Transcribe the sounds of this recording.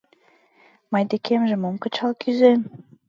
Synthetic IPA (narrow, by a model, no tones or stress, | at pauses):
mɑjd̪ekʰemʒĕmomkə̆t͡ɕɑlkʰyzen